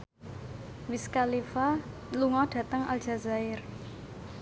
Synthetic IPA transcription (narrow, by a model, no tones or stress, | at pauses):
wiskalifaluŋɔɖ̥ä̤t̪əŋa̰lʒ̥a̤zaɪr